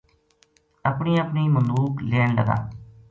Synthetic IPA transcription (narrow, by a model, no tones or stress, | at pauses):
əpɳiːəpɳiːmənd̪uːkleːɳləɡa̰ː